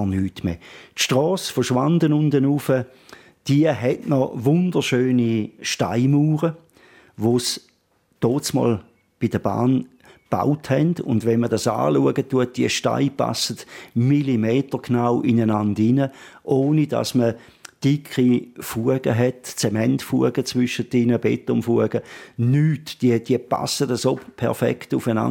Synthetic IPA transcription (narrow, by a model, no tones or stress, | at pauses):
nyːtmḛtʃtʁɔːsfəʃʋandənʊndənufə | d̥iəɦɛtnɔʋʊndəʃøːniʃta̰ɪmuːʁə | ʋos | toːt͡smɔ̰ːl | b̥idəb̥a̰ːn | b̥a̰ʊthɛndʊ̰ndʋɛnmədasa̰ːluəɡətːuət̚d̥iəʃta̰ɪpa̰sətmilimeːtəknawʔinənandɪnəʔoːnida̰smə | d̥ikʰʁifuəɡ̥əɦɛtt͡semɛntfuəɡ̥ət͡svʏʃətɪnəbɛtːɔmfuəɡ̥ənyːtd̥iəd̥iəpa̰sədəsopʰɛ̰ʁfɛ̰ktʊfəna̰n